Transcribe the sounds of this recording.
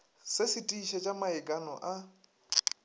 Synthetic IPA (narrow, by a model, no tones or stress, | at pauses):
sɪsɪtʼiʃɛt͡ʃʼamaɪkʼanɔ̰ʔa